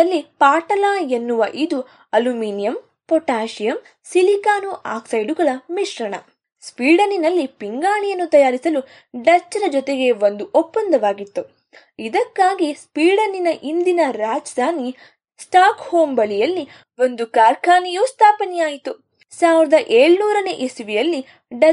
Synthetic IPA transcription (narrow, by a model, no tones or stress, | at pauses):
ɐlːipaːʈɐlaːenːuʋɐʔid̪u | ɐlumiːnijɐm | pɔʈaːʃijɐm | silikaːnuʔa̰ːksɐjɖuɡɐɭɐmiʃɾɐɳɐ̰ | spiːɖɐninɐlːipiŋɡaːɳijɐnːut̪ɐjaːɾisɐlu | ɖɐt͡ʃːɐɾɐd͡ʒɔt̪eɡe̞o̞nd̪uɔpːɐnd̪ɐʋaːɡit̪ːu | id̪ɐkːaːɡispiːɖɐnːinɐʔind̪inɐɾaːd͡ʒd̪ʱaːni | sʈaːkhoːmbɐlijɐlːi | ʋo̞nd̪ukaːɾkʰaːnijoːst̪ʰaːpɐnɛjaːjit̪u | saːʋiɾɐd̪ɐʔeːɭnuːɾɐneːʔesiʋijɐlːi | ɖɐ